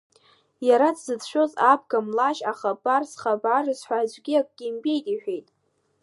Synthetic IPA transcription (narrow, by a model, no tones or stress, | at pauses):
jaɾat͡sʰzɨt͡sʰʃᶣozabʰɡamlaʃaχabarsχabarɨzħʷᶣad͡ʒʷɡʲiakʷʼɡ̥ʲimbʼe̞jtʼiħᶣejtʼ